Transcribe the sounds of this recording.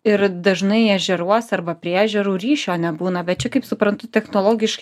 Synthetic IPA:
ɪɾd̪ɐʒnɐɪɛʒʲɛɾuɔsɐɾbɐpʲɾʲiɛæːʒʲɛɾuːɾʲiːʃʲoːnʲɛbuːnɐbʲɛt̪̚t͡ʃʲɛkɐɪpsʊpɾɐnt̪ʊt̪ʲɛxnoːlˠoːɡʲɪʃk

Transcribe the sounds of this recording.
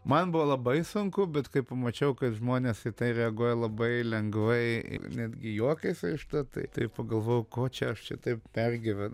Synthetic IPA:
mɐnbʊʋɐlˠɐbɐɪsʊŋkʊbʲɛt̪kɐɪpɐmɐt͡ʃʲɛʊkɐt̪ʒmoːnʲeːsɪt̪ɐɪɾʲɛɐɡuɔjɛlˠɐbɐɪlʲɛŋɡʋɐɪ̰nʲæːd̪ʲɡʲɪjoɔkʲɛɪsɐɪʃt̪ɐt̪ɐ̰ɪt̪ɐɪpɐɡɐlˠʋoːjɛʊkoːt͡ʃʲɛɐʃt͡ʃʲɛt̪ɐɪp̚pʲærʲɡʲɪʋʲɛn

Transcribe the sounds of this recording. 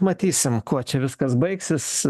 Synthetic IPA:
mɐt̪ʲiːsʲɪmkuɔt͡ʃʲɛʋʲɪskɐsbɐɪksʲɪs

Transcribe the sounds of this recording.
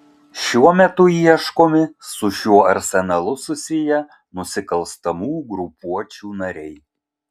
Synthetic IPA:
ʃʲuɔmʲɛt̪ʊiɛʃkoːmʲɪsʊʃʲuɔɐɾʲsʲɛnɐlˠʊsʊsʲɪjɛ | nʊsʲɪkɐlˠˑst̪ɐmuːɡɾʊpuɔt͡ʃʲuːnɐɾʲɛɪ

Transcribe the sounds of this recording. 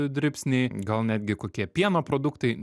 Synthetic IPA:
d̪ʲɾʲɪpʲsʲnʲɛɪɡɐlˠnʲæːd̪ʲɡʲɪkoːkʲiɛpʲiɛnopɾoːd̪ʊkt̪ɐɪ

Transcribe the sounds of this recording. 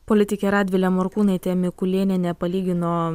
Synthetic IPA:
polʲɪt̪ʲɪkʲɛɾɑːd̪ʲʋʲɪlʲɛmoɾkuːnɐɪt̪ʲeːmʲɪkʊlʲeːnʲenʲɛpɐlʲiːɡʲɪnoː

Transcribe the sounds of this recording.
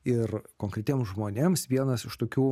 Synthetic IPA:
ɪrkoːŋkɾʲɛt̪ʲeːmsʒmoːnʲemsʋʲiɛnɐsɪʃt̪oːkʲuː

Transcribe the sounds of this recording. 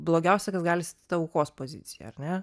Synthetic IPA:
blˠoːɡʲɛˑʊsʲɛkɐsɡɑːlʲɪst̪ʲːt̪ɐʊːkoːspozʲɪ̰t̪sʲɪjɛ̰ɐ̰ɾʲnʲɛ

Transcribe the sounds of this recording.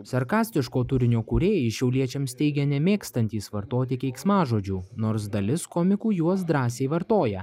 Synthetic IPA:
sɐɾkɑːsʲt̪ʲɪʃkoːt̪ʊɾʲɪnʲoːkuɾʲeːjiʃʲɛʊlʲiɛt͡ʃʲɛmsʲt̪ʲɛɪɡʲɛnʲɛmʲeːkst̪ɐnʲt̪ʲiːsʋɐɾt̪oːt̪ʲɪkʲɛɪksmɑːʒoːd͡ʒʲuːnoːɾs̬d̪ɐlʲɪskɔmʲɪkuːjuɔs̬d̪ɾɑːsʲeɪʋɐɾt̪oːjɛ

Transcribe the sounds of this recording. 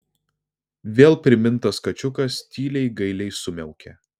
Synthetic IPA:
ʋʲeːlˠpʲɾʲɪmʲɪnˑt̪ɐskɐt͡ʃʲʊkɐst̪ʲiːlʲɛɪɡɐɪlʲɛɪsʊmʲɛʊkʲɛː

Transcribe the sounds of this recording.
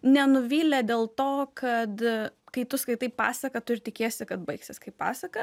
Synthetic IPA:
nʲɛnʊʋʲiːlʲɛd̪ʲeːlˠt̪oːkʰɐt̪kɐɪt̪ʊskɐɪt̪ɐɪppɑ̰ːsɐkɐt̪ʊɪɾʲt̪ʲɪkʲeːsʲɪkɐt̪̚bɐɪksʲɪskɐɪpɑ̰ːsɐkɐ

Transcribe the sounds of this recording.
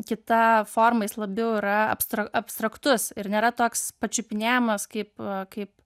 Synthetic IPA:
kʲɪt̪ɐfoːrmɐɪslˠɐbʲɛʊɪɾɐɐ̰pst̪ɾɐɐpst̪ɾɐkt̪ʊsɪɾnʲeːɾɐt̪oːkspɐt͡ʃʲʊpʲɪnʲæːjɪmɐskɐɪpkɐɪp

